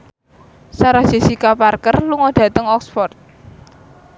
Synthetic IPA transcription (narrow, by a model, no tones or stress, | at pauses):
saɾad͡ʒ̥i̤sikaparkərluŋɔɖ̪̥ä̤t̪əŋɔksfɔrt̪̚